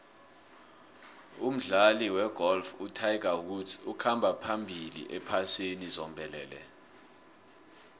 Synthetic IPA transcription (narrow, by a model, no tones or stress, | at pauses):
um̩ɮaliwɛɡ̥ʱɔlfutʰajɡʱahudukʰambʱapʰambʱilḭʔɛpʰasenizɔmbʱɛlɛːlɛ̰